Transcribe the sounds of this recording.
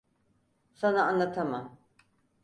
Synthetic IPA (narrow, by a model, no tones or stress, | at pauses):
sanaːnlˠat̪ʰamam